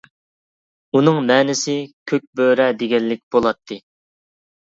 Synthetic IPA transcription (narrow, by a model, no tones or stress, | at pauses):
unɨŋmɛːnɪsɪkʲʰøk̚ʲbøɾɛd̪eɡʲɛlːɪk̚ʲbolˠɑt̪ʰːɨ